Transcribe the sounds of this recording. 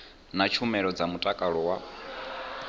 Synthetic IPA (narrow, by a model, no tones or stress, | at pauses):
nat͡ʃʰumɛɺɔd͡zamutʼakʼaɺɔwa